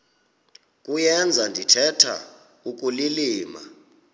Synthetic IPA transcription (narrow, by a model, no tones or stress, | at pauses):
kʼujɛnd͡zʱandʱitʰɛtʰa̰ | uk̬ʼuliliːma̰